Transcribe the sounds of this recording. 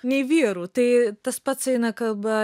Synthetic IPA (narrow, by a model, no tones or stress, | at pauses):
nʲɛɪʋʲiːɾuːt̪ɐɪt̪ɐspɐt̪sɐɪnɐkɐlˠbɐ